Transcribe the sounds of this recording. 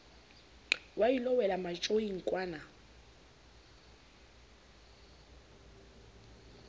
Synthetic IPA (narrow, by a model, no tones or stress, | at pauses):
wajilɔwɛlamat͡ʃʼoiŋ̩kʼwaːna